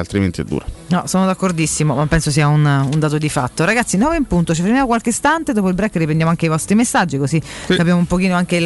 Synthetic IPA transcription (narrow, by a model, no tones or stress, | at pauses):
alt̪ɾiment̪iɛ̰d̪ːṵːɾanɔsoːnod̪akːord̪isːimomapːɛnsos̬iːaunund̪aːt̪̬od̪ifat̪ːoɾaɡat̪sːinɔːveimpunt̪ot͡ʃifeɾmjamokwalkest̪ant̪ed̪op̬oilbɾɛkːrip̬ɾend̪jamoaŋkeivɔst̪ɾimesːad͡ʒːikozikkapjamoumpokiːnoaŋkel